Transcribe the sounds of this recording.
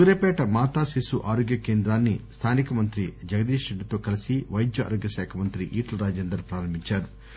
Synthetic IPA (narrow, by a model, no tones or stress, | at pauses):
uɾepɛːʈɐmaːt̪aːsisuʔaːɾoːɡjɐkeːnd̪ɾaːnːist̪ʰaːnikɐmɐnt̪ɾid͡ʒɐɡɐd̪iːʃeɖit̪oːkɐlɐsiʋɐjd̪jɐa̰ːɾoːɡjɐʃɛːkʰɐmɐnt̪ɾiʔiːʈɐlɾaːd͡ʒeːnd̪ɐɾpɾaːɾɐmbʱiɲt͡ʃaːɾu